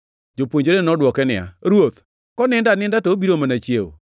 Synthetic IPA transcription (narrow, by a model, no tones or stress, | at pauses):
d͡ʒopwoɲd͡ʒoɾenɔdwɔkɛnɪa̰ɾwot̪ | kɔnɪndanɪndatobiɾomanat͡ʃjewo̰